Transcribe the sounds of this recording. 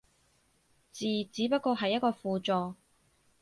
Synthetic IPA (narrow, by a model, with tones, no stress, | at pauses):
t͡siː˨˩t͡siː˨˥pɐ˥t̚kɔː˧ɦɐ˨jːɐ˥t̚kɔː˧fuː˨t͡sɔː˨˧